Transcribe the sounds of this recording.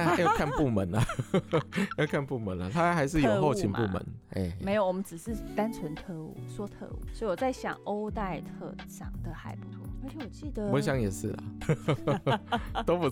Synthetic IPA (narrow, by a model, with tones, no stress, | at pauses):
a˦jkʰa˥˧npu˥˩mə˨˦nɐ˨ | jo˥˧ʊkʰa˥˧npu˥˩mə˨˦nlɐ˨t̪ʰa˥a˥xa˧˦ɪʂɻ̩˧˥˩jjo˨˩˧xo˥ʊt͡ɕʰi˨˦npu˥˨mə̰˧˦nḛ˥˩me˧˥ɪjo˨˩ʊwɔ˨˩mə˦nʈ͡ʂɻ̩˨˩ʂɻ̩˥˩t̪a˥nt͡sʰwə˧˦nt̪ʰə˧˥ṵ˥˨˩swɔ˥t̪ʰə̰˧˥ṵ˥˩˦swɔ˧˥i˨wɔ˨˩t͡sa˥˩ɪɕjɑ̰˨˩ŋʔo˦ʊt̪a˥˧ɪt̪ʰɤ̰˥˧ʂɑ̰˨˩ŋd̪ə˨xa˧˥ɪpu̥˨˩t̪ʰṵ˧˥˧wɔ˨˩t͡ɕi˥˩˨wə˧˦ɕ̬jɑ˧˦ŋjɛ˨˩ʂɻ̩˥˩lɐ̰˩ | t̪o˥ʊpu˨˦